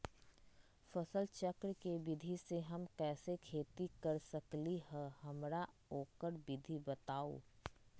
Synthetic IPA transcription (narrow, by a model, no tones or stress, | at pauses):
fɐsəlt͡ʃəkɾkebɪd̪ʱiseɦɐmkɛːsekʰeːt̪ikɐɾsəkliɦɛ̃hɐmɾaoːkəɾbɪd̪ʱibɐt̪aːo̰ː